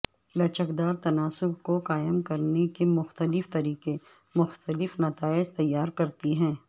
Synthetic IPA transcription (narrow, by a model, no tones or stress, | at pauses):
lɐt͡ʃəkd̪aːɾt̪ɐnaːsʊb̚koqaːɪəmkɐɾnekemʊxt̪əlɪft̪ɐɾiːqe | mʊxt̪əlɪfnɐt̪aːɪd͡ʒt̪ɐjːaːɾkɐɾt̪iɦɛ̃ː